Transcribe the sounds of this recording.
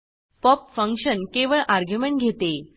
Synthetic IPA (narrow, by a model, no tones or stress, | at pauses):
pɔpfəŋkɕənkeʋəɭʔaɾɡʱjumeɳʈɡʱet̪e